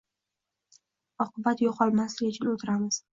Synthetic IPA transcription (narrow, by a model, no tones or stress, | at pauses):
ɒqʰɨbat̪jɒqʰɒlˠmaslɪɡʲɪt͡ʃʰʊnɪot̪ʰɪɾamɪz̥